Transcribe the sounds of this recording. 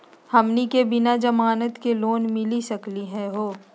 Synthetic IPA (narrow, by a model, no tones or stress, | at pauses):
hɐmnikebɪnad͡ʒɐmaːnət̪keloːnmɪlisɐkliɦɛ̃ɦoː